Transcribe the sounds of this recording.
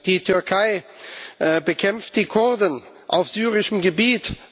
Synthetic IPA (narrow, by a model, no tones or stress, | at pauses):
d̥iːtʰʏɐkʰaɪʔbəkʰɛmft̚d̥iːkʰʊɐdən | ʔa̰ʊfz̥yːʁɪʃəm̩ɡəbiːt